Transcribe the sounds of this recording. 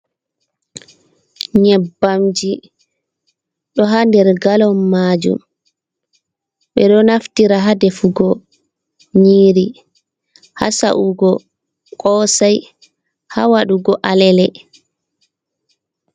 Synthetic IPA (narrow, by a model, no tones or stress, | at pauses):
ɲɛbːamd͡ʒi | ɗɔɦandɛɾɡalɔmːaːd͡ʒṵm | ɓɛɗɔnaftiɾaɦadɛfuɡɔ | ɲiːɾi | ha̰sa̰ʔuɡɔ | kʼɔːsaj | hawaɗuɡɔʔalɛlɛ